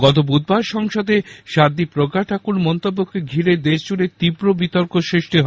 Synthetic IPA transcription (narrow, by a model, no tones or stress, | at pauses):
ɡɔt̪obud̪̚baɾʃɔŋʃod̪eʃaɾd̪ipɾoɡaʈʰakuɾmɔnt̪obːokːeɡʱiɾed̪eʃd͡ʑuɾet̪ibɾobit̪oɾkoʃɾeʃʈiɦɔ